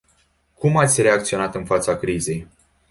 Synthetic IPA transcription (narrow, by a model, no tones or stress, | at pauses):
kumat̪sʲre̞ak̚t̪sio̞nat̪ɨnfat̪sakɾize̞j